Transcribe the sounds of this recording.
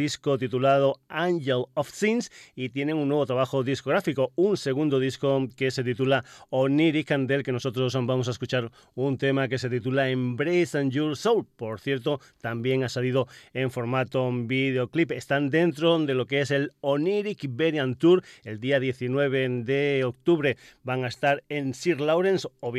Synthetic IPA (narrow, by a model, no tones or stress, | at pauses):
iskot̪it̪ulaðoaŋʝelofsinsit̪jeneŋunːweβ̞ot̪ɾaβ̞axoðiskoɣɾafikouŋseɣ̞ũnd̪oðiskokeset̪̬it̪ulaoniɾikand̪elkenosot̪ɾosbamos̬aes̬kut͡ʃaɾ | unt̪emakes̬e̞t̪it̪ulaembɾejsand͡ʒuɾsowlpoɾθjeɾt̪o | t̪ambjeŋasalið̞oeɱfo̞ɾmat̪obið̞eoklipest̪and̪ent̪ɾod̪elokeeseloniɾikbeɾjant̪uɾeld̪iaðjeθinweβ̞ed̪eok̚t̪uβɾebaŋaest̪aɾensiɾlawɾensoβ